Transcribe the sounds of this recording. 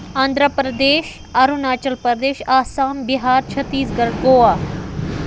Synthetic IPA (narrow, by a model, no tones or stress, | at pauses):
aːnd̪ʱɾəpɾɐd̪eːʃ | ɐɾunaːt͡ʃɐlpəɾd̪eːʃaːsaːmbiɦaːɾt͡ʃʰɐt̪iːsɡɐɾɡoːaː